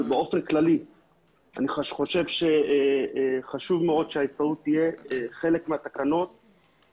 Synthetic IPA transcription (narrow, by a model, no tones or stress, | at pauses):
beo̞fe̞nklali | a̰niχaʃχo̞ʃe̞vʃe | χaʃuvmeo̞d̪ʃeaistaʁut̪ːije̞χe̞lekmeat̪akano̞t̪̚